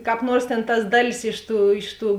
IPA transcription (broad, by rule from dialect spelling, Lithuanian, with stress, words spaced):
kɑːp ˈnuɔrs tʲeːn tɐs ˈdɑːˌlʲɪs ˈɪʃ ˌtuː ˈɪʃ ˌtuː